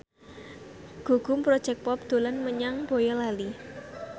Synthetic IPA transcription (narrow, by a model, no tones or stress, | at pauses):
ɡ̥o̤ɡ̥ʊ̤mpɾɔd̥ʒ̥ɛk̚pɔp̚d̪̥o̤lanməɲaŋbojɔlali